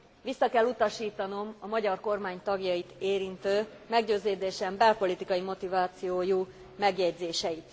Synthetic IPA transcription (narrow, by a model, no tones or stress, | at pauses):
ʋisːɒkɛlːut̪ɒʃiːt̪ɒno̞mɒmɒɟɒrko̞rmaːɲt̪ɒɡjɒjit̪eːɾint̪øː | mɛɡɟøːzeːd̪eːʃɛmbɛlpo̞lit̪ikɒjimo̞t̪ivaːt̪sijoːju | mɛɡjɛɟzeːʃɛjit̪